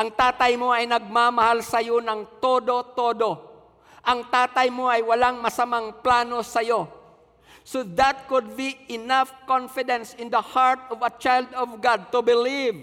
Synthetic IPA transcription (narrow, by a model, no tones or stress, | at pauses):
ʔɐŋt̪aːt̪ɐjmo̞ɐjnɐɡ̚mamɐhalsɐjo̞nɐŋt̪oːd̪o̞t̪oːd̪o̞ | ʔɐŋt̪aːt̪ɐjmo̞ʔɐjwɐlaŋmɐsɐmaŋplaːno̞sɐjo̞ | sod̪ɐt̪̚kʊd̪̚biɪnafkɔnfɪd̪ɛ̃nsɪ̃nd̪ɐhaɹt̪ɔvɐt͡ʃajld̪ɔvɡad̪̚t̪ʊbɪliv